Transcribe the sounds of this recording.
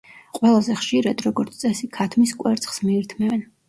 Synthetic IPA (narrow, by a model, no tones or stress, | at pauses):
qʼwɛlˠazɛχʃiɾad̪ɾɔɡɔɾt̪sʰt̪sʼɛsikʰat̪ʰmiskʼwɛ̰ɾt̪sʼχsmiːɾt̪ʰmɛvɛn